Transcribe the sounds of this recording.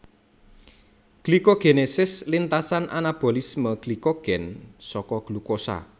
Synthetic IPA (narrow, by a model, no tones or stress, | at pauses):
ɡ̥likoɡ̥enesɪslint̪asanʔanab̥o̤lisməɡ̥likoɡ̥ɛnsɔkɔɡ̥lukosa̰